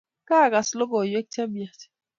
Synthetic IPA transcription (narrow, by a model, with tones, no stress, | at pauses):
ka˦˨ɡa˨slo˦ɡɔ˨je˦k̚tʰɛ˦mja˨t